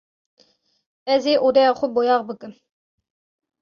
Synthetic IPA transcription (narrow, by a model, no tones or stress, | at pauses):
ɛzeːʔod̪ɛɑːχʷʊbojɑːʁbɨkɨn